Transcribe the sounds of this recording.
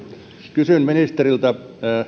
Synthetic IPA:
kysynminist̪erilt̪ɑ

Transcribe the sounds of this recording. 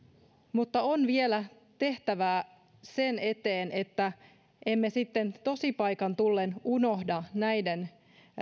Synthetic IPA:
mut̪ːɑonʋie̞læ | t̪e̞ht̪æʋæː | se̞ne̞t̪e̞ːne̞t̪ːæ | ʔe̞mːe̞sit̪ːe̞nt̪o̞sipɑjkɑnt̪ulːenuno̞hdɑnæjden

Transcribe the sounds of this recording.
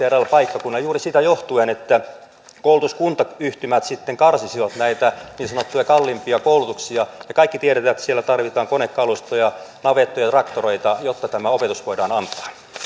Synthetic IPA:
terælpɑikːɑkunːɑjuːrisit̪æjoht̪uenet̪ːæ | koulut̪uskunt̪ɑyht̪ymæt̪sit̪ːeŋkɑrsisiʋɑt̪næit̪æniːnsɑnot̪ːujɑkɑlːimpiɑkoulut̪uksiɑjɑkɑikːit̪ieɾet̪æːet̪ːæ̥sielæt̪ɑrʋit̪ɑːŋkonekːɑlust̪ojɑnɑʋet̪ːojɑt̪rɑkt̪oroit̪ɑjot̪ːɑt̪æmæopet̪usʋoidɑːnɑnt̪ˑɑ̥ː

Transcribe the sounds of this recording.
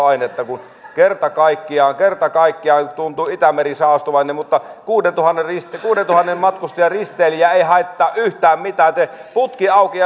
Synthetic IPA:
ɑinet̪ːɑkun | kert̪ɑkɑikːiɑːŋkert̪ɑkɑikːiɑːnt̪unt̪uit̪æmerisɑˑːst̪oʋɑˑinːemmut̪ːɑkuːdent̪uhɑnːerrist̪kuːdent̪uhɑnːemmɑt̪kust̪ɑjɑrist̪ˑeːlijæeihɑˑet̪ːɑːʔʔyht̪æːmmit̪æːnt̪eput̪kiɑˑukiɑ

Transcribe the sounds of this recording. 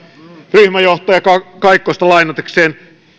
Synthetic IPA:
ryhmæjoht̪ɑjɑkɑkɑikːost̪ɑlɑinɑt̪ekseːn

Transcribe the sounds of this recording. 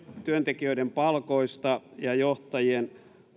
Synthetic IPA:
t̪yønt̪ekiøidempɑlkoist̪ɑjɑjoht̪ɑjien

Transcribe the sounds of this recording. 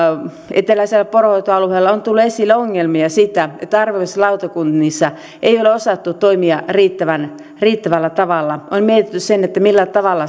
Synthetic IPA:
et̪elæiselːæporhoit̪oɑluheːlːɑont̪ulːuesilːeoŋːelmiɑsit̪æet̪ːæɑrʋeʋeslɑut̪ɑkunnisːɑ | ʔeioleosɑt̪ːut̪oimiɑriːt̪ːæʋæn | riːt̪ːæʋælːæt̪ɑʋɑlːɑonmiet̪it̪ːyssenet̪ːæmilːæt̪ɑʋɑlːɑ

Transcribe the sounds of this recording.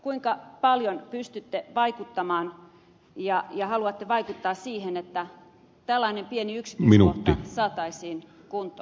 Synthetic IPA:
kuiŋkɑpɑljonpyst̪yt̪ːeʋɑikut̪ːɑmɑːn | jɑjɑhɑluɑt̪ːeʋɑikut̪ːɑːssiːhenet̪ːæ | t̪ælːɑinempieniyksi̥kminut̪ːisɑːt̪ɑisiːn | kunt̪o

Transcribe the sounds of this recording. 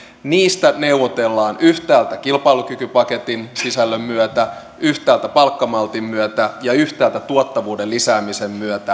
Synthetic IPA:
niːst̪æneuʋːot̪elːɑːnyht̪æːlt̪ækilpɑilukykypɑke̞t̪insisælːømmyøt̪æ | yht̪æːlt̪æpɑlkːɑmɑlt̪imːyøt̪æjɑyht̪æːlt̪æt̪uot̪ːɑʋuːdellisæːmisemːyøt̪æ

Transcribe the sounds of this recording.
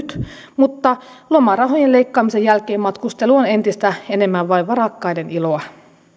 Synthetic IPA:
t̪ | mut̪ːɑ | lomɑrɑɦo̞jele̞ikːɑːmisejælkeːmmɑt̪kust̪e̞luone̞nt̪ist̪æene̞mːæʋʋɑiʋʋɑɾɑkːɑideniloɑ

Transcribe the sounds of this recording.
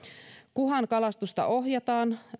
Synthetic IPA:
kuɦɑŋkɑlɑst̪ust̪ɑ̰ʔo̞ɦjɑt̪ɑːn

